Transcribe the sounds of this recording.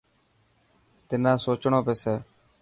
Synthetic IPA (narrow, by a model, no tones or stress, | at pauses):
t̪ɪnãːsoːt͡ʃɳõːpeːseː